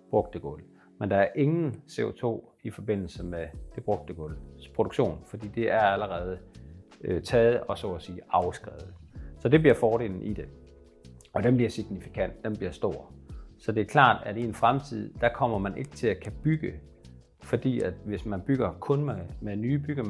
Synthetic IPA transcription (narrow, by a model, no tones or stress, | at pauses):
b̥ʁɔ̽ɡ̥̚d̥əɡ̥ɔ̽l | mend̥ɑ̈æɐʔe̝ŋn̩se̝ot͡sʰo̝̰ː | ifɒ̽b̥e̝n̰l̩səmed̥e̝b̥ʁɔ̽ɡ̥̚d̥əɡ̥ɔ̽lspʰʁod̥u̥ɕo̝̰ːnfɒ̽d̥ḭːd̥e̝ʔæɐæləʁɛːð̞ˠə | t͡sʰɛːð̞̩ˠɒ̽sɔ̰ːɒsiːɑ̈ʊsɡ̥ʁɛ̰ːð̩ˠsɒ̽d̥e̝b̥liɐfɒːɾe̝̰ːln̩ʔid̥e̝ | ɒ̽d̥emb̥liɐsiɡ̥nifi̥kʰæn̰d̥ːemb̥liɐsd̥o̝ɐ̰sɒ̽d̥e̝ɐkʰlɑ̰̈ːd̥æɾienfʁamt͡sʰið̞̰ˠd̥ækʰɒ̽m̰ɐmænʔe̝ɡ̥ə̥t͡sʰe̝lækʰæb̥yɡ̥ə | fɒ̽d̥ḭːæd̥ʋe̝smænb̥yɡ̥ɐkʰɔ̽nmemenyːb̥yɡ̥ə